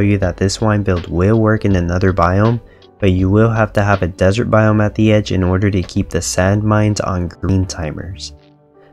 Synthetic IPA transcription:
ʊjɨðɨt̪̚ðɪswãɪ̃nbɪlˠd̚wɪlˠwɜ˞kɨ̃nɨnʌðə˞baɪõʊ̃m | b̥ʌt͡ʃɨwɪlˠɦæftɨəvɨdɛzə˞t̚b̥aɪõʊ̃mɨt̪̚ðiɛd͡ʒɨ̰̃nɔɹɾə˞ɾɨkʰip̚ðɨsæ̃nd̚mãɪ̃ndzn̩ɡɹĩntʰãɪ̃mə̰˞z̥

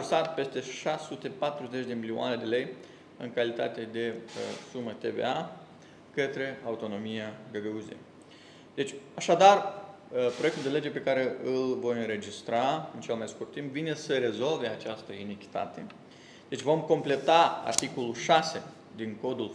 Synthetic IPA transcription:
rsat̪pe̞st̪e̞ʃasut̪e̞pat̪ɾuze̞t͡ʃʲd̪e̞milioa̰ne̞d̪e̞le̞j | ɨ̰ŋkalit̪a̰t̪e̞d̪e̞sumət̪e̞vḛa | kət̪ɾe̞aut̪o̞no̞mijaɡəɡəuzḛ | d̪̥e̞t͡ʃʲaʃad̪ar | pɾo̞ek̚t̪uld̪e̞le̞d͡ʒe̞pe̞kaɾe̞ɨlvo̞jɨnɾe̞d͡ʒist̪ɾaɨnt͡ʃe̞lmajskurt̪ːimpvine̞səɾe̞zo̞lve̞at͡ʃast̪əinekʲi̥t̪a̰t̪e̞ | d̪e̞t͡ʃʲvo̞mko̞mple̞t̪aa̰rt̪iko̞luʃase̞ | d̪iŋko̞d̪ul

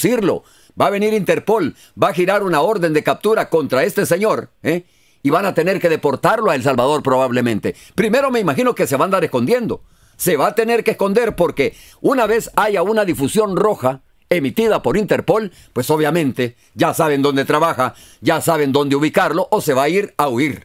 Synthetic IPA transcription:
siɾlo̞̰ | baːβe̞niɾint̪e̞ɾpo̞l | baxiɾaɾunao̞ɾðe̞nd̪e̞kap̚t̪uɾako̞nt̪ɾae̞st̪e̞se̞ɲo̞ɾe | iβanat̪e̞ne̞ɾke̞ðe̞po̞ɾt̪aɾloaels̬alβað̞o̞ɾpɾo̞βaβle̞mẽnt̪e̞ | pɾime̞ɾo̞me̞imaxino̞ke̞se̞βand̪aɾe̞sko̞nd̪je̞nd̪o̞̰ | se̞βaːt̪ene̞ɾkeːsko̞nd̪e̞ɾpo̞ɾke̞ | unaβe̞saʝaunaðifusjo̞nro̞xa | e̞mit̪iðapo̞ɾint̪e̞ɾpo̞l | pwe̞so̞β̞jamẽ̞nt̪e̞ | ɟ͡ʝasaβend̪o̞nd̪e̞t̪ɾaβaxa | ɟ͡ʝasaβe̞nd̪o̞nd̪euβ̞ikaɾlo̞ʔose̞βaiɾauiɾ

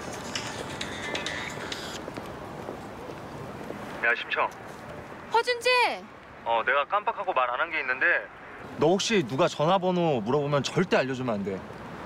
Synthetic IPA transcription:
jaɕʰimt͡ɕʰʌ | pʰʌd͡ʑund͡ʑe | ʌne̞ɡak͈ampakʰaɡomaɾananɡe̞inːɯnde̞ | nʌɦok̚ɕ͈inuɡat͡ɕʌnɦabʌnomuɾʌbomjʌnt͡ɕʌɭt͈e̞aʎːʌd͡ʑumande̞

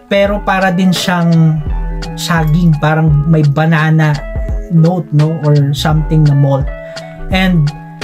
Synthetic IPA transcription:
pɛːɾo̞paːɾɐd̪ɪnʃɐŋ | saːɡɪŋpaːɾɐŋmɐjbɐnaːnɐnowt̪̚noʔoɹsɐmt̪ɪŋnɐmot̪̚ | ʔɛnd̪̚

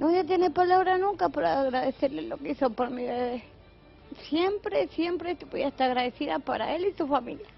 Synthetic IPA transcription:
noðjat̪̬jenepalaβɾanũŋkapaɾaɣɾaðeseɾlelokeisopoɾmiðeðe | sjempɾesjempɾet̪u̥pwiaest̪aɾaɣɾaðesiðapaɾa̰elisufamilja

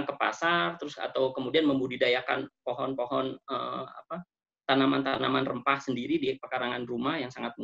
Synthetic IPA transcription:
ŋkəpa̰sart̪əɾʊsa̰t̪awkəmudianməmbudidajaka̰npoɦɔnpoɦɔnəa̰pa | t̪anamant̪anamanrəmpahsəndiɾidipərkaɾaŋanrumahjaŋsaŋat̪̚mu

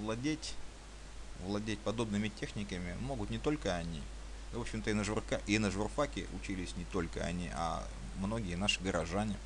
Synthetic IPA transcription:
vlˠɐdʲetʲ | vlˠɐdʲet̚ʲpɐd̪o̞bnɨmʲɪtʲe̞xnʲɪkəmʲɪmo̞ɡʊt̪nʲɪt̪o̞lʲkəɐnʲḭ | o̞pɕːɪmt̪əɪnəʐʊrkaʔɪnəʐʊrfakʲɪ̰ʔʊt͡ɕilʲɪsʲnʲɪt̪o̞lʲkə̰ɐ̰nʲiʔa̰ | mno̞ɡʲɪjənaʂɨ̥ɡəɾɐʐanʲɪ

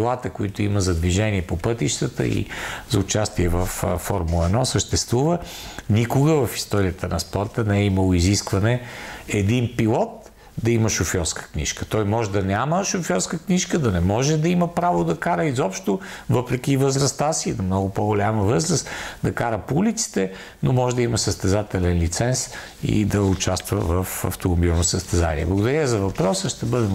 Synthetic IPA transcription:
lˠat̪əkʊit̪ʊiməzɐd̪viʒɛniɛpopɤt̪iʃt̪ət̪ə̰ḭzɐʊt͡ʃast̪iɛvəfːɔɾmuɛnɔsəʃt̪ɛst̪vuvə | nikʊɡəvɐfi̥st̪ɔɾiət̪ənɐspɔɾt̪ənɛɛiməlˠoiziskvɐnɛɛd̪inpilˠɔt̪ | d̪ɐiməʃofjɔɾskə̥knḭʃkə̥t̪ɔjmɔʒɛd̪ɐnʲaməʃofjɔɾskəkniʃkəd̪ɐnɛmɔʒɛd̪ɐiməpɾavod̪ɐkaɾəizɔpʃt̪ovɤpɾɛkʲivəzɾɐst̪asinɐmnɔɡʊpoɡolʲaməvɤzɾəst̪d̪ɐkaɾəpoulit̪si̥t̪ɛ | nomɔʒɛd̪ɐiməsəst̪ɛzat̪ɛlɛnlit̪sɛns | ḭd̪ɐʊt͡ʃast̪vəvəfɐ̰ft̪omobilˠnosəst̪ɛza̰nḭɛ̰blˠɐɡʊd̪ɐɾʲəizɐvɐpɾɔsəʃt̪ɛbɤd̪ɛ

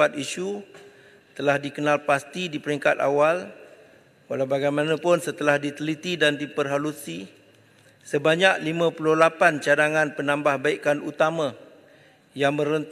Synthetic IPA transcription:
at̪iʃu | t̪əlahdikənalpast̪idipəɾiŋkat̪a̰wal | walawbaɡajmanãpʊnsət̪əlahdit̪əlit̪idandipərɦalusi | səbaɲak̚limãpulʊhlapant͡ʃadaŋãnpənãmbahbaikanut̪amã | jaŋmə̃ɾənt̪

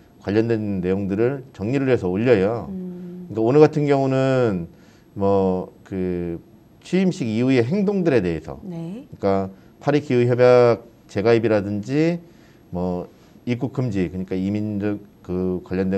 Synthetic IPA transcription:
kwaʎːʌndwe̞nːe̞joŋdɯɾɯɭt͡ɕʌŋɲiɾɯɭesʰʌoʎːʌjokɯɲik͈aonɯɭɡatʰɯnɡjʌŋunɯn | mwʌkɯ | t͡ɕʰɥiːmɕ͈ʰiɡiue̞ɦe̞ŋdoŋdɯɾe̞de̞ɦesʰʌ̰nkɯɲik͈a | pʰaɾikʰiuçjʌbjak̚ | t͡ɕe̞ɡaibiɾadɯnd͡ʑi | mwʌ | ik͈ukʰɯmd͡ʑikɯɲik͈aimind͡ʑʌkɯkwaʎːʌndwe

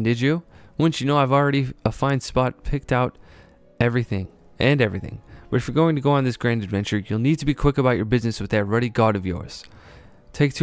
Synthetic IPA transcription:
dɨd͡ʒɨwʌ̃nsjɨnoʊaɪvl̩ˠɹɛɾiəfãɪ̃nspɑt̚pʰɪk̚taʊɾ | ɛvɹiθɪ̃ŋ | ʔɨ̃nɛvɹiθɪ̰̃ŋwɨ˞fə˞ɡoʊɪ̃ŋtʰɨɡoʊə̃nðɪsɡ̥ɹæ̃ndɨdvɛ̃nt͡ʃə˞julˠnid̚tʰɨbikʰw̥ɪkəbaʊt͡ʃə˞bɪznɨswɨðɨt̚ɹɛɾiɡɑɾʌvjɔ̰ɹz̥ | tʰeɪk̚tʰ

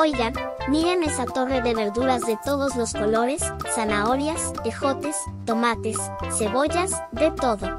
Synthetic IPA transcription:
ojɣan | miɾe̞ne̞sat̪o̞re̞ðe̞βe̞ɾðuɾazðe̞t̪o̞ðo̞zlo̞sko̞lo̞ɾe̞sːanao̞ɾjasexo̞t̪e̞s | t̪o̞mat̪e̞sː | e̞βo̞ʝas | ðe̞t̪o̞ðo̞

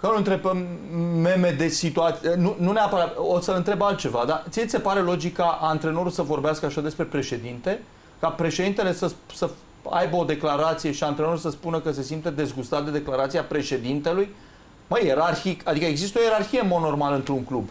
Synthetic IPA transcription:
kənuɨnt̪ɾe̞bəmme̞me̞d̪e̞sit̪uat̪ənununeapəɾat̪osəɨnt̪ɾe̞balt̪̚t͡ʃe̞vad̪at̪sijeisepaɾe̞lo̞d͡ʒikːaʔant̪ɾe̞no̞ɾulsəvo̞rbeaskəaʃad̪espɾe̞pɾe̞ʃe̞d̪int̪e̞ | kapɾe̞ʃe̞d̪int̪e̞le̞səsə | a̰jbəo̞d̪e̞klaɾat̪sijeʃiant̪ɾeno̞ɾulsəspunəkəs̬e̞simt̪əd̪e̞zɡust̪at̪̚d̪e̞d̪e̞klaɾat̪sijapɾe̞ʃe̞d̪int̪e̞luj | məjeɾarçikad̪ikəeɡzist̪əo̞je̞ɾarçijemono̞rmalɨnt̪ɾuŋklub

